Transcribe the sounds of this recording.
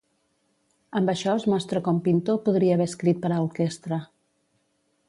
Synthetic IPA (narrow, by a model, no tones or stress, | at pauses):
əmbəʃɔəzmɔst̪ɾəkɔmpint̪opuðɾiəːβɛskɾit̪̚pəɾauɾkest̪ɾə